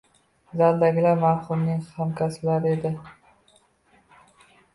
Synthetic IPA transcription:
zald̪aɡʲɪlaɾmaɾχʊmnɪŋhamkʲʰasblaɾɪe̞d̪ɪ

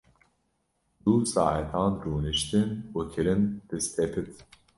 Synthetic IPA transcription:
d̪usɑ̰ːʔɛt̪ʰɑːnɾuːnɨʃt̪ɨnwukʰɨɾɨnt̪ɨst̪ʰɛpʰɨt̪

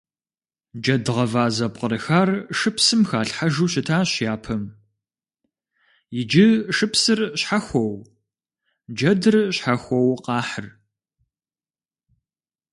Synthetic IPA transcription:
d͡ʒɐdɨʁɐvaːzɐpqəɾɨxaːrʂɨpsɨmxaːɬħaʒuːɕɪtʰaːɕjaːpʰɐm | jɪd͡ʒɪʂɨpsɨrɕħaxʷɔw | d͡ʒɐdɨrɕħaxʷɔwqɑːħər

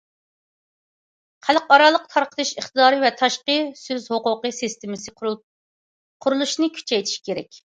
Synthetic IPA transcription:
χælˠqɑɾɑlˠəq̚t̪ʰɑɾqʰə̥t̪ʰɨʃəχt̪ɨd̪ɑːɾɨvɛt̪ʰɑʃqəsøzhoqʊqəsɨst̪ɪmɪsɨ | qʰʊɾulˠuʃnɨkʲʰy̥t͡ʃʰɛjt̪ʰi̥ʃkʲʰeɾɛ̰kʲ

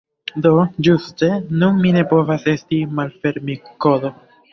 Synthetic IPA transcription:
do̞d͡ʒuste̞nunmine̞po̞vase̞stimalfe̞ɾmiko̞do̞

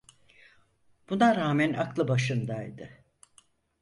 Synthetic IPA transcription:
b̥unaɾaːmænaklˠɯbaʃɯnd̪ajd̪ɯ

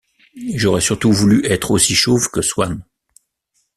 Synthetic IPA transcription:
ʒɔʁɛsyʁt̪uvulyʔɛt̪χosiʃovkəswan

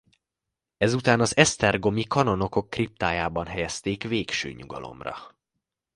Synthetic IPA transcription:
ɛzut̪aːnɒzɛst̪ɛrɡo̞mikɒno̞no̞ko̞kːrip̚t̪aːjaːbɒnɦɛjɛst̪eːkveːkʃø̰ːɲuɡɒ̰lo̞̰mrɒ̰

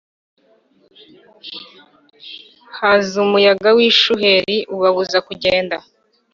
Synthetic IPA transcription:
hazumujaɡawiːʃuhe̞ɾiʔuβaβuzakuɟeːnda

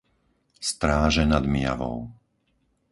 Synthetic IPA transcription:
st̪ɾaːʒɛnad̪mɪja̰ʋɔ̰ʊ

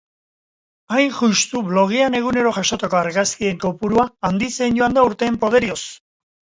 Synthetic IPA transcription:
ajnʝust̪uβlo̞ɣ̞iane̞ɣ̞une̞ɾo̞ʝaʃo̞t̪eko̞aɾɣaskie̞ŋko̞puɾuaːnd̪ise̞jnɟo̞and̪auɾt̪e̞ːmpo̞ð̞e̞ɾios

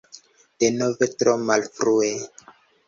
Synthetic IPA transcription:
d̥enovetɾomalfɾue

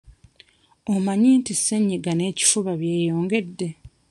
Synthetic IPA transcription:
omaɲiːntisːeɲːiɡane̞ːci̥fuβaβje̞ːjo̞ːŋɡe̞dːe

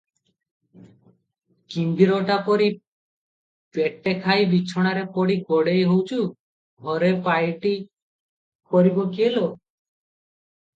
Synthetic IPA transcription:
kimbiɾɔʈapɔɾi | peʈːekʰajbit͡ʃʰɔɽ̃aɾepɔɽiɡɔɽejɦowt͡ʃʰu | ɡʱɔɾepajʈi | kɔɾibɔkielo

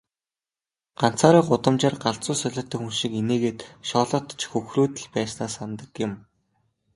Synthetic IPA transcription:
ɢ̥an̥t͡saːɾiːɢʊt̪ə̆mt͡ɕaːrɢaɮt͡sʊːsœɮʲɪ̆rt̪œːxunʃĭkeneːɣeːt̪ʃɔːɮɞ̆t̪̆t͡ɕxɵxruːt̪ɘ̆ɮpæːsnaːsant̪ə̆kjɪ̆m

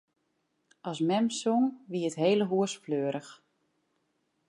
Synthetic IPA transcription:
ʔɑsmɛmsoŋʋiətɦeːləɦuəsfløːɾəx

